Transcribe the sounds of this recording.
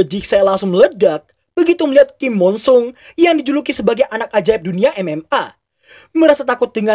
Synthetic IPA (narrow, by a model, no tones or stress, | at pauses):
əd͡ʒɪksajalaŋsʊŋmələdak̚ | b̥əɡit̪uməliɦat̪̚kimːɔnsʊŋjaŋdid͡ʒulukisəbaɡajʔanak̚ad͡ʒaɛp̚duniaʔɛmɛma | məɾasat̪akʊt̪̚dəŋa